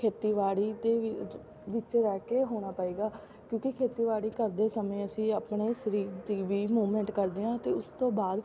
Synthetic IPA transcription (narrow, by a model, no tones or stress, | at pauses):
kʰeːt̪iːʋaːɽiːd̪eː | ʋɪt͡ʃɾɛːkeːɦoːɽ̃aːpaːiːɡaː | kjõːkɪkʰeːt̪iːʋaːɽiːkəɾd̪eːsəmẽːəsĩːapɳeːsəɾiːɾd̪iːʋiːmuːmɛ̃ːɳʈkəɾd̪eːɦãːt̪eːʊst̪õːbaːd̪